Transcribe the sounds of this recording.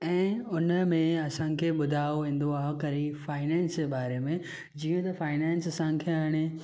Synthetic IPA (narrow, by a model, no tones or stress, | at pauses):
ɛ̃ːʊnəmẽɐsãkʰeːɓʊd̪ʱaːoʋĩːn̆d̪oaːɦokɐɾifaːɪnɛ̃ːnsd͡ʑebaːɾemẽ | d͡ʑiːũt̪ɐfaːɪnɛ̃ːnsɐsãkʰeaːɪɽ̃e